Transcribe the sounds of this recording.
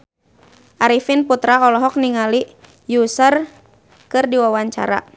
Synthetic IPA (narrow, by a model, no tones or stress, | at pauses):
ʔaɾifinput̪ɾaɔlɔɦɔk̚niŋali | jusər | kɨrdiwawaɲt͡ʃa̰ɾa̰